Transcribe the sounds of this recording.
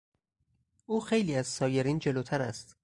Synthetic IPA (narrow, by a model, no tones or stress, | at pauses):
ʔuːxe̞jliːæzsɒːje̞ɾiːnd͡ʒe̞loːt̪ʰæɾæ̰st̪